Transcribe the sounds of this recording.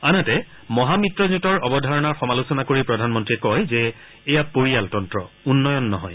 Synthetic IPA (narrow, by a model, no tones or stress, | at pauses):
anɛtɛ | mɔɦamitɹɔzutɔɹɔbɔdʱaɹɔnaɹxɔmalusɔnakoɹipɹɔdʱanmɔntɹiɛkɔjzɛː | japoɹijaltɔntɹɔ | unːɔjɔnːɔɦɔ̰j